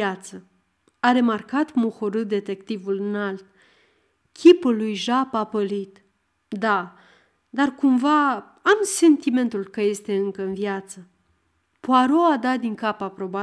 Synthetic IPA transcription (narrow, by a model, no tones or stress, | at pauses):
at̪sə | aɾe̞markat̪moxoɾɨd̪e̞t̪e̞kt̪ivulɨnalt̪̚ | kʲʰipulːujʒapapəlit̪ | d̪a | d̪arkumva | amse̞nt̪ime̞nt̪ulkəje̞st̪e̞ɨŋkəɨnvjat̪sə | poaɾoad̪ad̪iŋkapapɾo̞ba